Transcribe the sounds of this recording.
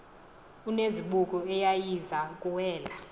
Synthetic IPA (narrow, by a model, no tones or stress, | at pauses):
uneziɓukʼɔɛjajizakʼuwɛːla